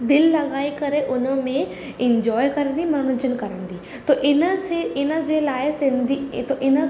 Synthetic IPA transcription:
d̪ɪlːɐɣaːikɐɾeʔʊnəmẽ | ɪ̃ɲd͡ʒɔːjkɐɾə̃nd̪imɐɾɽ̃ʊt͡ʃənkɐɾə̃nd̪iː | t̪oːʔɪnəseɪnəd͡ʒelaːesɪ̃nd̪it̪oʔɪnə

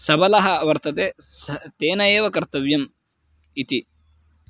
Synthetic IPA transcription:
sɐbɐlɐɦɐɐʋɐɾt̪ɐt̪eːst̪eːnɐjeːʋɐkɐɾt̪ɐʋjɐm | it̪i

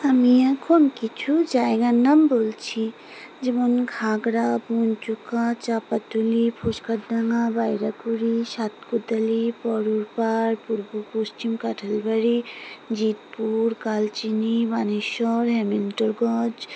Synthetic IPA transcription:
əmiɛkʰonkit͡ʃʰud͡ʒaeɡanːambolt͡ʃʰi | d͡ʒemɔnɡʰʱaɡɾabunt͡ʃukat͡ʃapat̪ulipʰoʃkaʈd̪aŋabajɾakuɾisʃat̪kud̪əlipɔɾuɾpaɾpuɾbukosʈimkaʈʰəlbəɾid͡ʒit̪̚puɾkalt͡ʃinibaneʃɔɾɦɛmenʈɔɾɡɔd͡ʒ

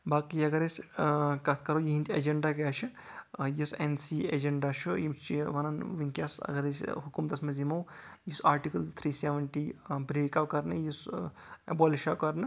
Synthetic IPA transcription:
baːkiɐɡɐɾesʲkɐt̪ʰkɐɾojiɦint̪ʰʲɐd͡ʒɐɳɖakaːt͡ʃʰijisensiːḛd͡ʒɐɳɖat͡ʃʰujimst͡ʃiʋɐnanʋinʲkʲaːsɐ̰ɡɐɾesʲɦukumt̪ɐsmɐzimɐwjisaːɾʈikɐlt̪ʰɾiːseʋɐɳʈiːbɾeːkaːwkɐɾnɨjis | ɐ̰boːliʃaːwkɐɾnɨ

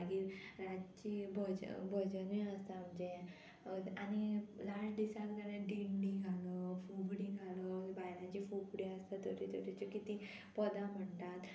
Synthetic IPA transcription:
ɡiːt̪ɾad͡ʑt͡ɕibʱəd͡ʑ̰bʱəd͡ʑənʋĩəst̪aːmd͡ʑẽ | anilaʂd̪isakɡəɾẽɖiɳɖiɡʱaləfuɡɽiɡʱaləbajnãt͡ɕifukɽiəst̪at̪oʈit̪ʰoʈit͡ɕokit̪i | pəd̪am̤əɳt̪at̪

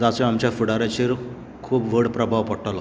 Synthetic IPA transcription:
d͡zaseamt͡ɕjafuɽaɾãt͡ɕeɾ | kʰuːpʋəɽpɾəbʱaʋpɔʈalɔ

